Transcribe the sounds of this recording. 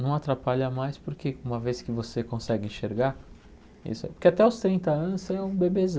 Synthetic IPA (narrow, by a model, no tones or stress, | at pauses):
nɐ̃w̃at̪ɾapaʎɐmajspoɾkʰeũmɐveskɪvosekõsɛɡɪẽʃeɾɡaɾ | ḭsʊɛ̰poɾkeat̪ɛawst̪ɾĩnt̪ɐɐ̃nʊsseɛũbebezɐ̃